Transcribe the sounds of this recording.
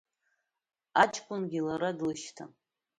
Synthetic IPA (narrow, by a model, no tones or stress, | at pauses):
at͡ʃʰʼkʷʼʊnɡʲilaɾadlɨʃtʰa̰